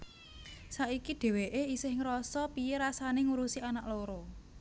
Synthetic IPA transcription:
saʔikiɖ̪̥e̤weʔeisɪhŋəɾɔsɔpieɾasaneŋuɾusianaʔloɾɔ

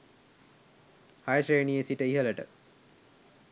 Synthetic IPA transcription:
hajəʃejnijesiʈəiɦələʈə̰

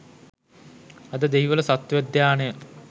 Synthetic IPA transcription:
ɐd̪əd̪eɦiʋələsat̪ːʋæd̪ːjaːnejə

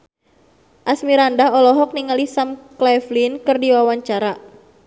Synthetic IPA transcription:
ʔasmiɾandaɦɔlɔɦɔk̚niŋalisamklɛflinkɨrdiwawaɲt͡ʃaɾa

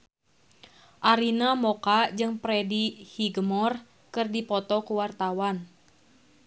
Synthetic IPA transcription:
ʔaɾinamɔkad͡ʒɨŋpɾɛdihiɡəmɔr | kɨrdipɔt̪ɔkuwart̪awan

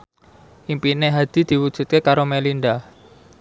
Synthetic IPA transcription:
ʔimpineɦad̪̥i̤d̪̥i̤wud̥ʒ̥ṳt̪̚kekaɾomelinɖa

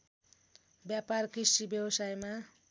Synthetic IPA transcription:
bjaparkisibjʌwsajma

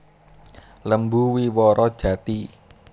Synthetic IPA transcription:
ləmbuwiwɔɾɔd̥ʒ̥ä̤t̪i

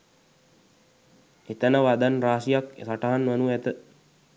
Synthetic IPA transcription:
et̪ənəʋad̪anraːsijaksaʈaɦanʋanuɛt̪ə

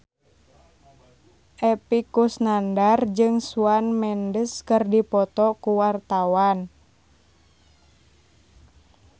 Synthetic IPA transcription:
ʔɛpikusnandard͡ʒɨŋsuanmɛndəskɨrdipɔt̪ɔkuwart̪awan

